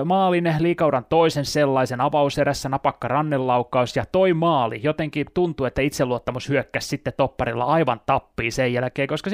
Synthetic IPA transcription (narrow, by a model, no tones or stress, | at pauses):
mɑːlinæhliːkɑuwɾɑnt̪oisenselːɑisenɑʋɑuseɾæsːænɑpɑkːɑrɑnːelːɑukːɑusjɑt̪oimɑːlḭjot̪eŋkit̪unt̪uet̪ːæit̪seluot̪ːɑmushyøkːæssit̪ːet̪opːɑrilːɑ̰ɑiʋɑnt̪ɑpːiːsejjælkeːkoskɑs